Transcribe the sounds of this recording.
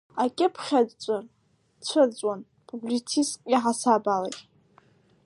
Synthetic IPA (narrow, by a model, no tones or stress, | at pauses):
akʲʼɪpʰχʲadt͡ɕʷʼar | t͡ɕʷʰat͡sʷʼwan | pʰublit͡sʰistʼiħasabala̰ɡʲʼ